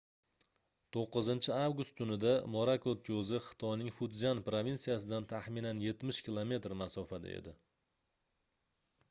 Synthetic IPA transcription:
t̪ʰoqːɨzɪnt͡ʃʰɪavɡʊst̪ʰːʊnɪd̪amoɾakʰot̪̚kʰozɪχɨ̥t̪ʰɒjnɪŋfʊt̪zanpɾovʲinsijasɪd̪ant̪ʰaχminanje̞t̪mɪʃkʲʰilˠome̞t̪ɾmasɒfad̪a̰ḛd̪ɪ

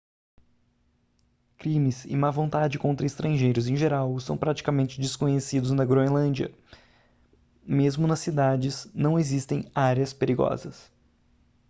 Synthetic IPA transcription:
kɾĩmɪsɪ̰mavõnt̪ad͡ʒɪkõnt̪ɾɐist̪ɾɐ̃ʒejɾʊzẽʒeɾawsɐ̃w̃pɾat͡ʃi̥kamẽnt͡ʃɪd͡ʒɪskõɲesid̪ʊznɐɡɾoẽnlɐ̃d͡ʒiɐ̰ | mezmʊnɐsːid̪ad͡ʒɪznɐ̃w̃ezist̪ẽj̃aɾɐspeɾiɡɔ̰zɐs

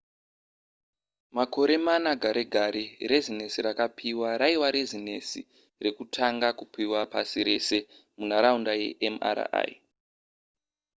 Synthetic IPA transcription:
mako̞ɾe̞manaɡʱaɾeɡʱaɾirezinesirakapʰiwaɾaiwaɾezinḛsḭ | re̞kutʰaŋɡakupʰiwapa̰siɾe̞se̞ | mun̤aɾaundajḛʔema̰ɾa̰a̰j

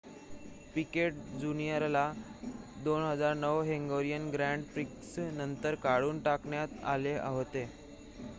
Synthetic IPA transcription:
pikeʈ̚d͡zunijəɾla | d̪onɦəd͡zaɾnəʋɦeŋɡoɾijənɡɾæɳɖpɾiksnənt̪əɾkaɽuːnʈakɳjat̪a̰leʔa̰ʋt̪e

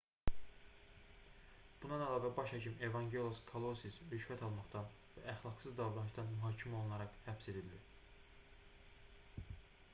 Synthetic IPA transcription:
b̥unɑnælɑːvæbɑʃɑcʰime̞vɑŋɟelʲoskʰolˠosisɾyʃvæt̪ʰɑlˠmɑχt̪ɑn | vææχlˠɑɡsɯzd̪ɑvɾɑnɯʃt̪ɑnmyɦɑːcʰimæolˠunlɑɾɑqhæpse̞d̪ild̪i

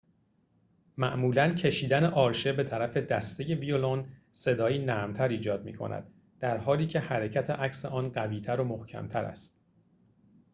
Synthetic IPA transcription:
mæʔmuːlæncʰe̞ʃiːd̪æneʔɒːɾʃebe̞t̪ʰæɾæfe̞d̪æst̪e̞je̞vio̞lon | se̞d̪ɒːiːnæːmt̪ʰæɾiːd͡ʒɒːd̪̚mḭːkʰo̞̰nʔæ̰d̪ | d̪̥æɾhɒːliːcʰe̞hæɾecʰæt̪ʰeʔæcʰse̞ʔɒːnɢæviːt̪ʰæɾomohcʰæ̰mt̪ʰæɾæ̰st̪

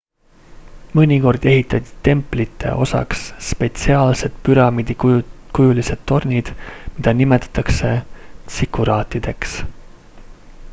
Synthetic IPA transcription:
mɤnʲiko̞rd̪̥e̞ɦit̪ːˑɑt̪ʲi̥t̪e̞mplit̪ːˑe̞̰ʔo̞̰sɑ̰ksːpe̞t̪siɑːlse̞d̪̥pyɾɑmid̪̥ikujulise̞d̪̥t̪ːo̞rnʲid̪̥mid̪̥ɑnime̞t̪ːˑɑ̥t̪ːˑɑkse̞t̪sikːuɾɑːt̪ːˑid̪̥e̞ks

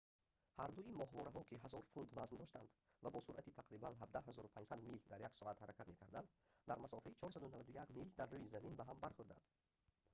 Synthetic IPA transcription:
haɾd̪uimɔhvɔɾaɦɔkʰiɦazɔɾfund̪vazmd̪ɔʃt̪a̰nd̪ | vabɔsuɾʔat̪it̪ʰaqɾibanɦab̚d̪aɦazɔɾupʰand͡ʒsad̪mild̪aɾjaksɔat̪haɾækʰat̪me̞kʰaɾd̪and̪ | d̪aɾmasɔfait͡ʃʰɔɾsad̪unavad̪ujakmild̪arːujizæminbaɦambaɾχuɾd̪a̰nd̪̥

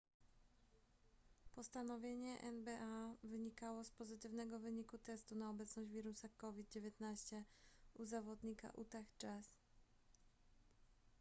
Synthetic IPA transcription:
pɔst̪anɔvʲjeɲɛʔɛ̰nbɛʔavɘɲikawɔspɔzɘt̪ɘvnɛɡɔvɘɲikut̪ɛst̪unaɔbɛt̪snɔʑd͡ʑvʲiɾusakɔvʲid̪̚d͡ʑevʲjɛt̪naɕt͡ɕɛuzavɔd̪ɲika̰ʔut̪axt͡ʂas

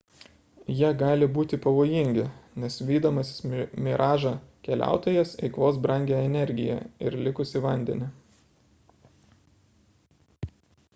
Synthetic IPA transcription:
jiɛɡɑːlʲɪbuːt̪ʲɪpɐʋoːjɪŋʲɡʲɪnʲɛsʋʲiːd̪oːmɐsʲɪ̥smʲɪɾʔɑːʒɑkʲɛlʲʔæ̰ˑʊt̪oːjɛsɛ̰ɪkʋoːs̬bɾɐŋʲɡʲeɛnʲɛɾʲɡʲɪjɛ̰ɪɾlʲɪkʊsʲɪʋɐnʲd̪ʲɛ̰nʲɪ

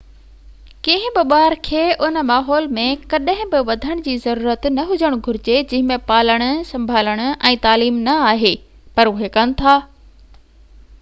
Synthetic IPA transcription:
kẽɦɪ̃bɪɓaːɾkʰeːʔʊnə̆maːɦɔːlmẽkɐɗɦɪ̃bɪʋɐd̪ʱəɽ̃d͡ʑiːzɐɾuːɾət̪nɐɦʊd͡ʑʱəɽ̃ɡʱʊɾɪd͡ʑed͡ʑɪ̃ɦɪ̃mẽpaːləɽ̃ʊ̆sɐ̃mbʱaːləɽ̃ʊ̆ʔɛ̃ːt̪aːliːmnɐaːɦeː | pɐɾʊɦekɐnɪ̆t̪ʰaː

